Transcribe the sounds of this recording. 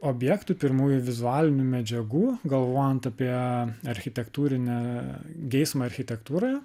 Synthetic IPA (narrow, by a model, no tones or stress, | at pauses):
oːbʲjɛkt̪ʊpʲɪɾmuːjʊʋʲɪzʊæːlʲɪnʲumʲɛd͡ʒʲɛɡuːɡɐlˠʋoːjɛnt̪ɐpʲiɛɐɾʲxʲɪt̪ʲɛkt̪uːɾʲɪnʲɛɡʲɛɪsmɐɐɾʲxʲɪt̪ʲɛkt̪uːɾɐ